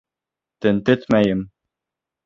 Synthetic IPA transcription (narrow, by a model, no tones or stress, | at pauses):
t̪ɘnt̪ɘt̪mæjɘm